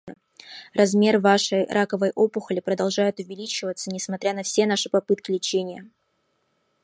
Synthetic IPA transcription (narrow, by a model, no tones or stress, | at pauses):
rɐzmʲe̞rvaʂəjɾʔakəvəjʔo̞pʊxəlʲɪpɾəd̪ɐlˠʐajʊt̪ʊvʲɪlʲit͡ɕɪvət̪sənʲɪsmɐt̪ɾʲanɐfsʲe̞n̪aʂɨpɐpɨt̪kʲɪlʲɪt͡ɕenʲɪjə